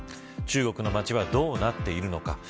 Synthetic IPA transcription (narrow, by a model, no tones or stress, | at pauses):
t͡ɕɨːɡo̞kɯ̟no̞mat͡ɕiβad̪o̞ːnat̪ːe̞iɾɯ̟no̞ka